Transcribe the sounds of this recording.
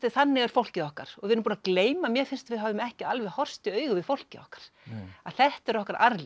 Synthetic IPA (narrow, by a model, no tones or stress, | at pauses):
ɪθanːɪɣɛɾ̥fowl̥cɪðɔhkaɾ̥ɔɣɪðɪɾnːʏmpuːnakleːjmamjɛɾfɪn̥st̪avɪðɦaːvɪmɛhcɪalvɛhɔr̥st̪ɪœːɥɣʏvɪðfowl̥cɪɔ̰hkḁɾ̥ | a̰ðθɛht̪ɛɾɔhkaɾʔa̰ɾlɪ